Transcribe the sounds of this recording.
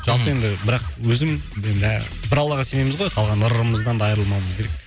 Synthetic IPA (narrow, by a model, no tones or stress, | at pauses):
ʒ̥ɑlˠpəje̞nd̪ɪbɪɾɑqwɵzɪmend̪ɪ | bɪɾɑwlˠɑʁɑse̞ne̞mɪzʁojqʰɑlˠʁɑnʊɾəɾəməzd̪ɑnd̪ɑjəɾəlˠmɑwˠməzkʲʰe̞k̚